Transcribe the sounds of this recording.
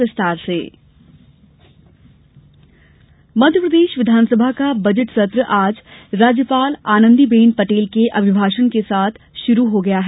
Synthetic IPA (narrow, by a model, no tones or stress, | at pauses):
ʋɪst̪aːɾsḛː | mɐd̪ʱjəpɾəd̪eːʃʋɪd̪ʱaːnsəbʱakabɐd͡ʒəʈsət̪ɾəʔaːd͡ʒɾaːd͡ʒjəpaːlaːnə̃nd̪ibeːnpɐʈeːlkeʔɐbʱɪbʱaːʃənkesaːt̪ʰ | ʃʊɾuɦoɡɐjaɦ